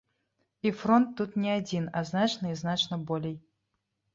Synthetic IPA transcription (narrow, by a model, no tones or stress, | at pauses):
ifɾɔnt̪ːut̪nʲiad͡zʲinɐznat͡ʃnɐiznat͡ʃnɐbɔlʲej